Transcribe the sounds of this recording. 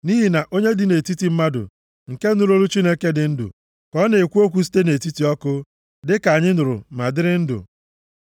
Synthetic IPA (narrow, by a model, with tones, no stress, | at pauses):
ni˦ɦi˨na˨ʔo˦ɲe˦dɪ˨ne˨ti˦ti˨m̩˦ma˦dʊ̰˨ | ŋ̩˨ke˦nʊ˦ɾo˦ɾu˦t͡ʃi˦ne˦ke˦dɪ˨˦n̩˦dʊ̰˨ | kɔ˦ne˨e˨kʷu˦o˦kʷu˦s̬i̥˦te˦ne˨ti˦ti˨ɔ˦kʊ˦ | dɪ˦ka˨ɲɪ˦nʊ˨ɾʊ̰˨ma˨dɪ˦ɾɪ˦n̩˦dʊ̰˨